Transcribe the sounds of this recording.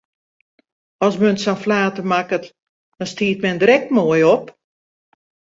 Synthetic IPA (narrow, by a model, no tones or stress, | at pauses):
ɔsmønsanflaːtəmakət | d̥ɔnstiːt̚mɛndrɛk̚tmoəjɔp